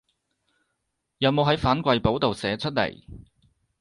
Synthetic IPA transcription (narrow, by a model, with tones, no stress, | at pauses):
jɐ˨˧wmo˨˧wɦɐ˨˥jfaː˨˥nkʷɐ˨˧jpo˨˥wt̪o˨wsɛː˨˥t͡ʃʰɵ˥t̚lḛ˨˩j